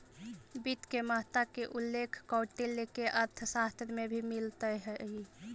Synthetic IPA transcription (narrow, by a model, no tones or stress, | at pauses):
bit̪keməɦt̪akeʔulːekʰkɔwʈelekeʔəɾt̪ʰəsast̪ɾəmebʱimilt̪əɦəj